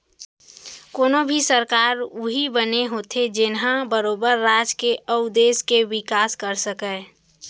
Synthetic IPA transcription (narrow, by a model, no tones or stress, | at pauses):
koːnobʱisəɾkaːɾuɦibəneɦoːt̪ʰed͡ʒɪnɦãbəɾoːbəɾːad͡ʒkeʔəʊd̪eːskewɪkaːskəɾsəkɛ